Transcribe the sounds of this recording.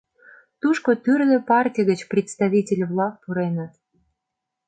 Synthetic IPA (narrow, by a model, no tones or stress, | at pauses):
t̪uʃkot̪yrɣĕpɑrtʲijɣət͡ɕprʲɪt̪st̪aβʲitʲelʲβlɑk̚puɾenə̆t̪